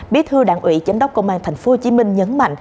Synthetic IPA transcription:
ɓi˦˥ət̪ʰɨ˧əɗa̰ː˧˨nʔwḭ˧˨t͡ɕa˨˦jŋ̟ɗə˦˥wk͡p̚kə̰˧˨wʔaː˧nt̪ʰjŋ̟fo˨˧˦ht͡ɕi˨˦mï˧ŋ̟ɲə˨˦nma̰˧˨jŋ̟

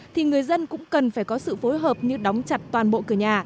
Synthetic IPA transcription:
t̪ʰi˨˩ŋɨ˨˩əjzə˧nkʊ̰˧˥ŋ͡mkə˨˩nfaː˧˩jkɔ˨˦sɨ̰˧˨fo˨˦jɦəː˨˩p̚ɲɨ˧ɗɔ˨˦wŋ͡mt͡ɕa˨˩t̚t̪waː˨˩nɓo̰˧˨kɨ˧˩əɲaː˨˩

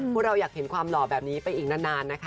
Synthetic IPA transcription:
u˥˩ɾa˧wjaː˨˩k̚he˩˦nkʰwaː˧mlɔː˨˩bɛː˨˩p̚niː˦˥pa˧jʔiː˨˩knaː˥˩naː˧nːa˦˥kʰa˦˥

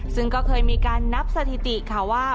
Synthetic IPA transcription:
sɯ˥˩ŋkɔː˥˩kʰɤː˧jmiː˧kaː˧nːa˦˥p̚sa˧t̪ʰi˨˩t̪i˨˩kʰa˧˩waː˥˩

